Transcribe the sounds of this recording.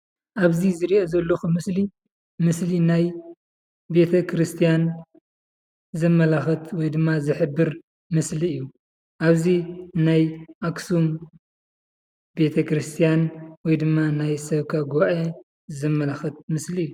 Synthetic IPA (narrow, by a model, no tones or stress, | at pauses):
ʔaβzizɨɾiʔazɐlːoxumɨsli | mɨslinaj | be̞t̪ʰɐkʰɾɨst̪ʰijan | zɐmːɐlaxɐt̪wɔjd̪ɨmːazɨħɨbːɨɾ | mɨsliɨjːu | ʔaβzinajʔaksum | be̞t̪ʰɐkɾɨst̪ʰijanwɔjd̪ɨmːanajsɐβkʰaɡuβaʔe | zɨmːɐlaxɐt̪̚mɨsliɨjːu